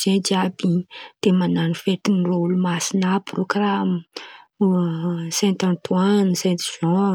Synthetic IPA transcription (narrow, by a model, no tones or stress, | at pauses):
zed͡ʒiabit̪emananifet̪inrolumasinaprokramə | sɛ̃nt̪ãnt̪wansɛ̃nt̪iʒ̥ɔ̃